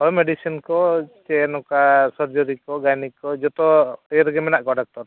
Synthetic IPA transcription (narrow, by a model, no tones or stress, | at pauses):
ɔjɔmɛɖisinkɔt͡ʃɛnɔkasɔɾd͡ʒɔɾikɔɡajnikɔd͡ʒɔt̪ɔɛjɾɡɛmɛnaʔkɔɖak̚ʈɔɾ